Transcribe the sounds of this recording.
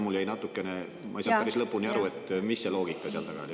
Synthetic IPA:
muljæjnɑt̪ːˑukːˑe̞ne̞ | mʔɑejsɑːpæɾislɤpːˑunʲiɑɾue̞t̪ːˑmisːe̞lo̞ːɡ̥ikːˑɑseɑ̰lt̪ɑɡ̥ɑ̰l

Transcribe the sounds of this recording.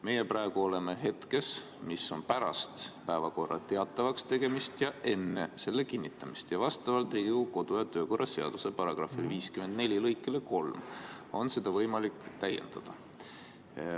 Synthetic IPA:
me̞jeprɑeɡ̥uo̞le̞me̞ɦe̞t̪ke̞s | misːo̞npæɾɑ̰st̪pæevɑko̞rːʔɑ̰t̪e̞ɑt̪ːˑɑvɑkst̪e̞ɡ̥e̞mist̪jɑe̞nːḛse̞lːe̞kinʲːit̪ˑːɑmist̪jɑvɑst̪ɑvɑlt̪ˑriuko̞d̪̥ujɑt̪ø̞ːko̞rʔɑseɑ̰d̪̥use̞pɑɾɑɡ̥rɑ̰filviːskyme̞nd̪ne̞lʲilɤjkːˑeleko̞lm | o̞nse̞d̪̥ɑvɤjmɑlikːˑt̪æjḛnd̪̥ɑd̪̥ɑ

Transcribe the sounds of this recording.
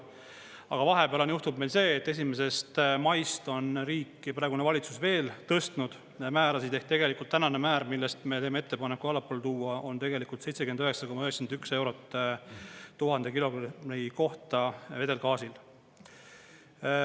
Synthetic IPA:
ɑɡ̥ɑvɑɦe̞peɑlonjuht̪ub̥̚me̞jlse̞ːt̪ːe̞s̬imes̬e̞st̪mɑjst̪o̞nriːkːˑprɑːˑeɡunevɑlʲit̪susve̞ːlt̪ɤst̪nud̪̥ | mæːɾɑsit̪ehk̪it̪e̞ɡelikult̪ːænɑnemæːɾmilːest̪me̞t̪e̞ːmee̞t̪ːe̞pɑnekːˑuɑlɑpːˑolt̪uːɑʔo̞nt̪e̞ɡe̞likːˑult̪se̞jt̪se̞kyend̪øɦeksɑko̞mːɑøɦesind̪ykse̞wɾo̞t̪ː | t̪uɦɑnd̪ekilo̞ɡniko̞ht̪ɑve̞d̪e̞lkɑːsil

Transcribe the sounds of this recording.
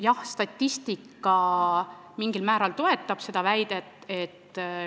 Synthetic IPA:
jɑhst̪ɑt̪ʲːist̪ikːˑɑ | miŋɡ̥ilmæːɾɑlt̪o̞e̞t̪ˑːɑb̥se̞d̪̥ɑvæjd̪̥et̪ːet̪ː

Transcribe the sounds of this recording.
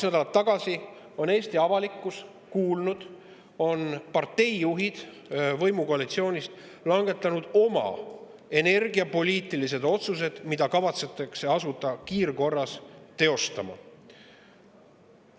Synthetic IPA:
snæd̪ɑlɑt̪ːɑɡ̥ɑsi | o̞ne̞ːst̪iɑvɑlikːˑus | kuːlnud̪̥ | o̞npɑrt̪ːe̞jːuɦid̪̥ | vɤ̞jmuko̞ɑlit̪sio̞ːnʲist̪ | lɑŋɡ̥e̞t̪ːˑɑnud̪̥o̞mɑ̰ | e̞ne̞rɡiɑpo̞lʲiːt̪ːˑilis̬e̞d̪o̞t̪sus̬e̞d̪̥mid̪̥ɑkɑvɑt̪set̪ˑːɑkse̞ɑsut̪ːˑɑkiːrko̞rːɑst̪e̞o̞st̪ɑmɑ̰

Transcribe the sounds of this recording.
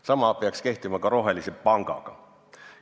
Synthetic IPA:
sɑmɑpeɑkske̞ht̪imɑkɑɾo̞ɦe̞lisepɑŋɡ̥ɑ̰ɡ̥ɑ

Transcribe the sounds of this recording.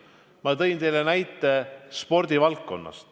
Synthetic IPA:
mɑt̪ɤ̞jnt̪e̞jlenæjt̪ːˑe̞spo̞rd̪̥ivɑlkːo̞̰nːɑ̰st̪

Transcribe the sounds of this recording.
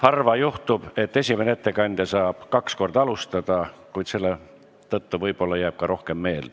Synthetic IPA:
hɑrvɑjuht̪ub̥e̞t̪ːe̞sʲime̞neet̪ːe̞kɑnʲd̪̥jɑsɑːb̥kɑksko̞rd̪̥ɑɑlust̪ɑd̪̥ɑkujd̪se̞lːe | t̪ɤt̪ːuvɤjb̥o̞lːɑjæːb̥̚kɑɾo̞hke̞mːe̞ːl

